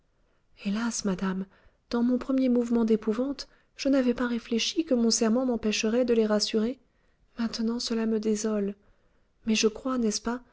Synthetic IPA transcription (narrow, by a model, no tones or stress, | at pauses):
elasmad̪am | d̪̥ɑ̃mɔ̃pχəmjemuvmɑ̃d̪epuvɑ̃t̪ | ʒ̥ənavɛpaʁefleʃikəmɔ̃sɛʁmɑ̃mɑ̃pɛʃəʁɛd̪əleʁasyʁe | mɛ̃t̪ənɑ̃səlaməd̪ezɔl | mɛʒəkχwanɛspa